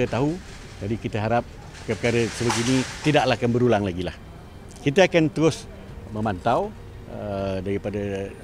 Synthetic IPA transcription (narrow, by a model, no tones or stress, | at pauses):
ət̪aɦu | d͡ʒadikit̪əɦaɾap̚ | kəpəkaɾəsəbəɡinit̪idaʔlakanbəɾulaŋlaɡilah | kit̪əakant̪əɾʊs | mə̃mant̪aw | ədaɾipadə